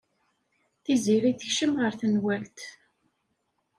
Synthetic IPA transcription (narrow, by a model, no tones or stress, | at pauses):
θiziɾiθəçʃəmʁəɾθənwælt̪